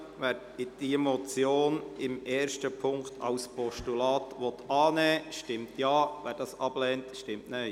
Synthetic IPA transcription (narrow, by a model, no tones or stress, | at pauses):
ʋæːɾ | ɪd̥imɔt͡sjoːnɪmɛːɾʃtəpʰʊŋktʰɑ̰ʊspɔʃtulɑːtʋɔt̪ɑːnɛːʃtɪmtjɑːʋæːɾd̥ɑːsɑb̥lɛːntʃtɪmtnɛɪ